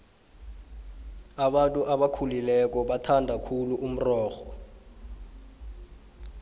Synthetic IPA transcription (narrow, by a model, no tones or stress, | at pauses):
aɓantʼuʔaɓakʰulilɛk̬ɔɓatʰandʱakʰuluʔum̩rɔːxɔ